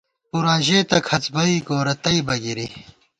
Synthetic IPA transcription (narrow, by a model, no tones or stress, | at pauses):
puɾãːʑeːt̪ɐkʰɐt͡sbɐikoːɾɐt̪ɐibɐɡiɾi